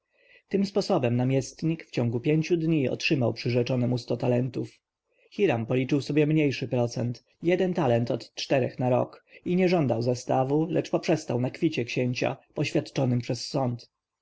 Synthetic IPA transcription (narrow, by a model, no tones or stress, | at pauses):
t̪ɘmspɔsɔbɛmnamʲjɛst̪ɲikft͡ɕɔŋɡupʲjeɲt͡ɕud̪ɲiɔ̰tʂɘmawpʂɘʐɛt͡ʂɔnɛmust̪ɔt̪alɛnt̪uf | xʲiɾampɔlʲit͡ʂɘwsɔbʲjɛmɲejʂɘpɾɔt̪sɛnt̪ | jɛd̪ɛnt̪alɛnt̪ɔt̪t͡ʂt̪ɛɾɛ̰xnaɾɔ̰kiɲɛʐɔnd̪awzast̪avulɛt͡ʂpɔpʂɛst̪awnakfʲit͡ɕɛkɕeɲt͡ɕa̰pɔɕfʲjat̪t͡ʂɔnɘmpʂɛsːɔnt̪